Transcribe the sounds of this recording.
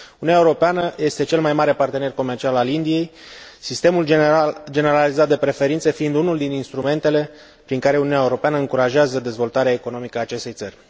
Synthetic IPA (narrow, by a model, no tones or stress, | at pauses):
ununʲaeuɾo̞peanəje̞st̪e̞t͡ʃe̞lmajmaɾe̞part̪e̞ne̞rko̞mert͡ʃialalind̪ije̞jsist̪emuld͡ʒe̞ne̞ɾalizat̪̚d̪e̞pɾe̞fe̞ɾint̪se̞fiːnd̪unuld̪ininst̪ɾume̞nt̪e̞le̞ | pɾiŋkaɾe̞ununʲjaeuɾo̞peanəɨŋkuɾaʒeazəd̪e̞zvo̞lt̪aɾeaeko̞no̞mikəaːt͡ʃe̞st̪e̞jt̪sərʲ